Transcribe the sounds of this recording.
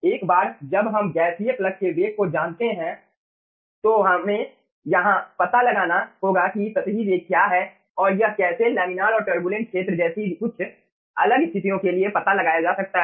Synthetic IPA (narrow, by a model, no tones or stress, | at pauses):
eːkbaːɾd͡ʒɐbɦɐmɡɛːsijəklɐk̚keʋeːkkod͡ʒaːnt̪eɦɛ̃ | t̪oɦɐmẽ | jɐɦãpɐt̪alɐɡaːnaɦoːɡakisɐt̪ɦiʋeːkːjaːɦɛ | ɔːɾjɐɦkɛːselɛːmɪnaːɾɔːɾʈəɾbuːlə̃ɳʈ̚kʰʃʰeːt̪ɾəd͡ʒɛːsiʊtːʃʰ | ɐ̰ləɡɪst̪ʰɪt̪ijõkeliepɐt̪alɐɡaːjad͡ʒaːsɐk̚t̪aɦ